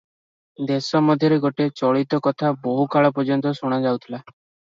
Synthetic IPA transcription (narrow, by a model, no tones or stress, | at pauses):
d̪esɔmɔd̪ʱjɔɾeɡoʈet͡ʃɔɭit̪ɔkɔt̪ʰabɔɦukaɭɔpɔd͡ʒɔnt̪ɔsuɽ̃ad͡ʒawt̪ʰila